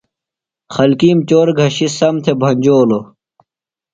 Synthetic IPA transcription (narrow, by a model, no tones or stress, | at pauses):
xɐlkiːmt͡ɕoːɾɡʱɐɕisɐmt̪ʰebʱɐɲʲd͡ʑoːlo